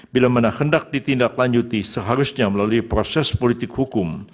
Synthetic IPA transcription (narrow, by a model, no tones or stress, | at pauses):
bilamanahəndak̚dit̪indaklaɲd͡ʒut̪isəɦaɾʊsɲaməlaluipɾosɛspolit̪ɪkhukʊm